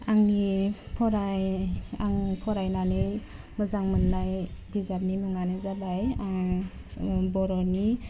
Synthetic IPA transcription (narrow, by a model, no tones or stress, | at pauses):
aŋnipʰɔɾajaŋpʰɔɾajnanɯ | mɯzaŋmɯnːajbizap̚nimɯŋanɯzabaja | bɔɾɔni